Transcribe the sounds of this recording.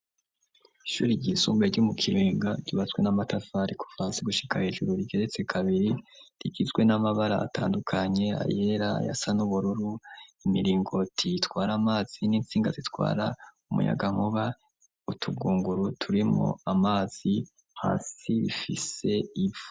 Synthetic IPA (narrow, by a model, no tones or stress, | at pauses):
iʃuːɾiɟisuːmbeɾɟumukʰiɾiːŋɡaɟiβat͡sɡwe̞namatafaɾiku̥faːnsiɡuʃi̥kahe̞ːʒuɾuɾiɡe̞ɾe̞t͡se̞kʰaβiɾiɾiɡizɡwe̞namaβaɾa̰ːtʰaːndukʰaɲe̞a̰je̞ɾa̰ja̰sanuβuɾuɾuimiɾiːŋɡo̞tʰitwaːɾamaːz̥iniːnt͡siːŋɡazitwa̰ːɾaumṵja̰ɡaŋ̥uβa | utʰuɡuːŋɡuɾutʰuɾimo̰amaːz̥i | ha̰ːsiifise̞ivu